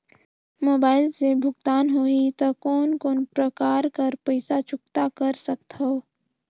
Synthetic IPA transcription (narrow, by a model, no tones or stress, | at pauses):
moːbaːɪlsebʱʊɡt̪aːnɦoit̪ɐkɔːnkoːnpɾəkaːɾkəɾpəɪsat͡ʃʊk̚t̪akɐɾsɐk̚t̪ɦoo